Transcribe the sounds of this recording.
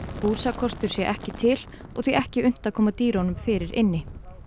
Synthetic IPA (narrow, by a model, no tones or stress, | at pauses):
puːsakʰɔst̪ʏɾsjɛʔɛhcɪt̪ʰɪl | ɔɣθiʔɛhcɪʏn̥t̪akʰɔːmat̪iːɾɔnʏmfɪːɾɪɾʔɪnːɪ